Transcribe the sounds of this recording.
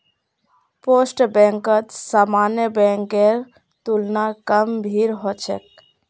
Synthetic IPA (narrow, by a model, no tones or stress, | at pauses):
posʈbɛ̃ŋkət̪samanjəbɛ̃ŋkeɾ | t̪ulnakəmbʱiɾɦot͡ʃʰḛk̚